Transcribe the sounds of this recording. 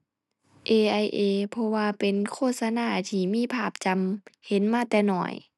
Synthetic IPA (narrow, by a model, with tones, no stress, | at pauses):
ʔeː˧˩ʔa˧jʔeː˧˩pʰɔ˧waː˧pe˨nkʰoː˧˥˨t̪̚sa˧naː˧˩˨t̪ʰiː˧˩miː˧˥˨pʰaː˧˩p̚t͡ɕa˧mhe˨˦nmaː˧˥˨t̪ɛː˧˩nɔ̰ː˧˩j